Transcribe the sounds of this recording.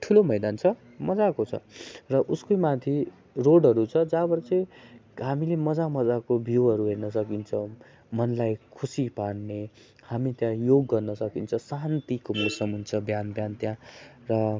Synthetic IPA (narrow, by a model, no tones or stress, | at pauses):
ʈʰulomʌjd̪ant͡sʰʌ | mʌd͡zakot͡sʰʌ̰rʌʔuskomãt̪ʰi | roɽɦʌɾut͡sʰʌd͡zabʌɾt͡seɦamilemʌd͡zamʌd͡zakobʱiwɦʌɾuɦernʌsʌkint͡sʰʌw | mʌnlajkʰusipaɽne | hamit̪jãjoɡːʌrnʌsʌkint͡sʰʌsant̪ikomosʌmɦunt͡sʰʌbjanbjant̪jã | rʌ